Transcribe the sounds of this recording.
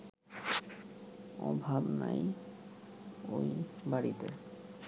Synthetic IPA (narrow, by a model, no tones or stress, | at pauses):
ɔbʱabnaj | ojbaɽit̪e